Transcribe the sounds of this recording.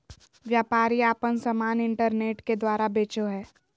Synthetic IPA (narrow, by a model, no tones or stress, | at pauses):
ʋjaːpaːɾiaːpənsəmaːnɪ̃ɳʈəɾneːʈked̪waːɾabeːt͡ʃoɦɛː